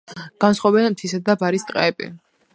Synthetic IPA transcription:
ɡ̥ansχwabɛnmt̪ʰisad̪abaɾist̪ʼqʼa̰ɛbḭ

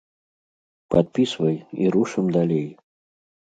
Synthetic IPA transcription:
pat̪̚pʲisvɐjḭɾuʂɨmd̪alʲej

